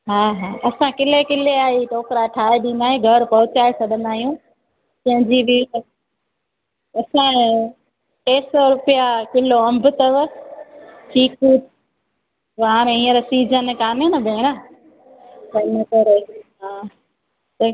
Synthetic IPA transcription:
ɦaːɦaːʔɐsãkɪlekɪleaːɦiʈoːkɾaʈʰaːeɗĩːnd̪aːɦeɡʱɐɾpɐɦʊt͡ɕaːesɐɗə̃nd̪aːɦijũː | tɐ̃ɦɪ̃ɲd͡ʑibɪt̪ɐ | ɐsã | keːsɔɾʊpijakɪloɐ̃mbʱʊt̪ɐʋ | ʈʰiːkuːt̪ | ʋɦaːɾ̃ẽĩːə̃ɾsiːd͡ʑʱənkaːnenɐbʱẽːɾ̃a | t̪ɐɪnəkɐɾeɦaː | t̪ɐ

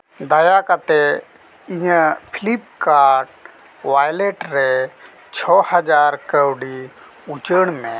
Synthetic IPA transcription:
d̪əjakat̪e | iɲəpʰilip̚kaɖ | wajleʈɾe | t͡ʃʰɔhəd͡ʒaːɾkəwɖi | ut͡ʃəɳ̃mẽ

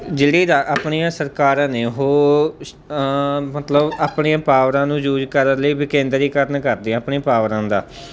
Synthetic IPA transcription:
d͡ʒeːɽiːd̪aːʔaːpɳiːãːsəɾkaːɾãːneːɦoː | mət̪ləbaːpɳiːãːpaːʋɾãːnũːd͡ʒuːd͡ʒkəɾəɾləiːbɪkẽːnd̪ɾiːkəɾnkəɾd̪iãːpɳĩːpaːʋɾãːd̪a̰ː

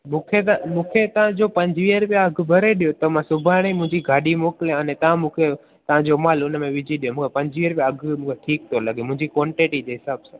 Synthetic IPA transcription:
mũːkʰet̪mũːkʰet̪əʋãd͡ʒoːpə̃ɲd͡ʒʋiːəɾpjãəɡʱbʱəɾeɗijot̪əmãsʊbʱaːɽ̃eimʊ̃ɦɪ̃ɲd͡ʑiɡʱaːɗimoːkljãənet̪əʋãmũːkʰe | t̪əʋ̤ãd͡ʒomaːlʊnmẽʋɪd͡ʒʱiɗijõmũːkʰepə̃ɲd͡ʒʋiəɾpjaəɡʱmũːkʰeʈʰiːk̚t̪ʰoləɡʱemʊ̃ɦɪ̃d͡ʑikʋoːɳʈiʈid͡ʒeɦɪsaːbsã

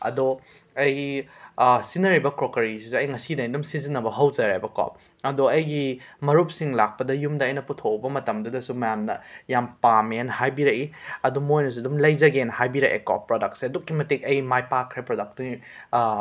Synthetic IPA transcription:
ɐ̰do | ɐj | sinɐɾibɐkɾokɐɾisizeɐjŋɐsidɐidumsizinːɐbɐɦɐwzɐɾajbɐkɔ̰p̚ | ɐdoɐjɡimɐɾup̚siŋlak̚pɐdɐjumdɐːjnɐputʰowbɐmɐtɐmdɐdɐsumɐjamnɐjampamenɦajbiɾɐiɐdumojnɐs̬uɐdumlɐjzɐɡenhajbiɾɐʔḛkɔ̰pːɾodɐk̚tseɐdukːimɐtikɐjmajpakʰɾepɾodɐk̚tu

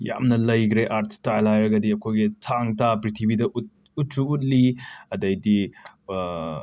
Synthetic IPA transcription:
ja̰mnɐlɐjkɾeʔaɾtʰstajlajɾɐɡɐdiɐkʰojɡitʰaŋtapɾitʰibidɐʔ | ut̚suut̚liɐdɐjdi

